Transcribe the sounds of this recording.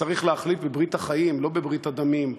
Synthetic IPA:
aʁiχleaχlit̪bebʁit̪haχajimlo̞bebʁit̪ad̪amim

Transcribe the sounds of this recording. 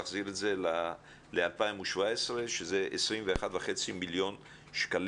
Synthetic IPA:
aχziʁetze̞la | lealpaimuʃvaesʁe̞ʃeze̞ʔesʁimveːχat̪vaχet͡similjo̞n | ʃkal

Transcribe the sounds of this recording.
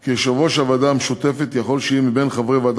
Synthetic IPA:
keʃavoʃavad̪ameʃut̪efet̪jaχo̞lʃeimibenχavʁevad̪

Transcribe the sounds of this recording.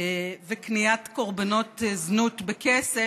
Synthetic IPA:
veknijat̪ko̞ʁbano̞t̪znut̪bekese

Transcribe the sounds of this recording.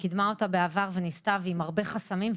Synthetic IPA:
kidmaotabeavaʁvenistavimaʁbe̞χasamim

